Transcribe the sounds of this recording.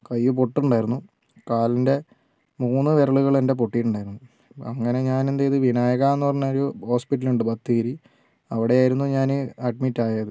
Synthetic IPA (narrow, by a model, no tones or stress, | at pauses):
kɐjːup̬o̞ʈːuɳɖaːjiɾunːu | kaːlinde̞ | muːnːɨʋe̞ɾɐɭuɣɐɭe̞nde̞p̬oʈːijːuɳɖaːjiɾunːu | ɐŋːɐne̞ɲaːnend̪ejiðɨʋinaːjɐɣaːmenːɨpɐrɐɲːuoɾuho̞ːspiʈːɐluɳɖɨbɐt̪ːiɣɐɾi | ɐʋiɽeaːjiɾunːuɲaːnɨɐɖ̚mitːaːjɐðɨ